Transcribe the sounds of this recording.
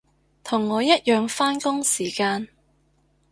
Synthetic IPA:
t̪ʰʊ˨˩ŋːɔː˨˧jɐ˥t̚jœː˨˧ŋfaː˥nkʊ˥ŋsiː˨˩kaː˧n

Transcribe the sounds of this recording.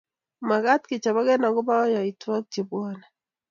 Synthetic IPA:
ma˨ɡa˦tkɪ˨t͡ʃa˨βa˦ɡɛ˦na˨ɡɔ˦ba˦ɔ˦ja˨i˨twa˦k̚t͡ʃe˨bwa˦na˨

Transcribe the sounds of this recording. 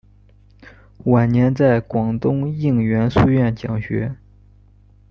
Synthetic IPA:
wa˨˩nnjɛ˧˥nt͡sa˥˩ɪkwɑ˨˩ŋt̪ʊ˥ŋi˥˩ŋɥɛ˧˥nsu˥˧ɥɛ˥˩nt͡ɕjɑ̰˨˩ŋɕɥɛ̰˧˥

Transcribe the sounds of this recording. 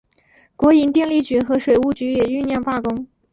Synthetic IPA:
kwɔ˧˥i˧˥nt̪jɛ˥˧nli˥˩t͡ɕy˧˥xɤ˧˥ʂwe˨˩ɪu˥˩t͡ɕy˧˥jɛ˨˩y˥˧njɑ˥˧ŋfa˥kʊ˥ŋ

